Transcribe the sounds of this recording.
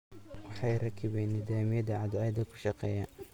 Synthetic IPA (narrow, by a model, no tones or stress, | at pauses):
wɑħɑːjɾɑkʰɪβɛjnɪd̪aːmɪjɐd̪ɐʕɑd̪ʕad̪ɐkʰʊ̥ʃɑqɛːjɐ